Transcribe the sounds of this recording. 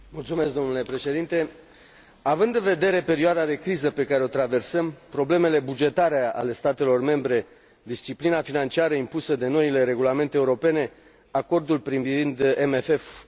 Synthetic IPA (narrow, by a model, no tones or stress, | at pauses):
mult̪sume̞sk̚d̪o̞nule̞pɾe̞ʃe̞d̪int̪e̞ | avɨnd̪ɨnve̞d̪e̞ɾe̞pe̞ɾioad̪ad̪e̞kɾizəpe̞kaɾeo̞t̪ɾave̞rsəmpɾo̞ble̞me̞le̞bud͡ʒe̞t̪aɾea̰le̞st̪at̪e̞lo̞rme̞mbɾe̞ | d̪ist͡ʃiplinafinant͡ʃiaɾəimpusəd̪e̞no̞ile̞ɾe̞ɡulame̞nt̪eːuɾo̞pe̞ne̞ | ako̞rd̪ulpɾivvind̪emefe̞f